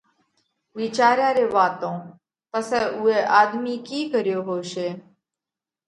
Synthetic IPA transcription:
ʋiːt͡ʃaːɾjãːɾeːʋaːt̪õː | pəsɛːʔʊːeːʔaːd̪miːkiːkəɾjoːɦoːʃeː

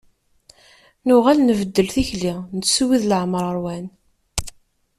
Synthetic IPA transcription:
nʊʁælnəvəd̪ːəlθiçlinət͡ssuwiðləʕməɾˤəɾwæn

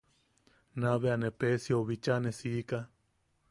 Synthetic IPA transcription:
naβeanepesioβit͡ʃanesiːka

